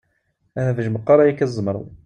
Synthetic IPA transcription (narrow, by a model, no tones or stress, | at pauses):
æhævəʒməqːɑɾˤɑjækæzˤːmɾ̰ˤ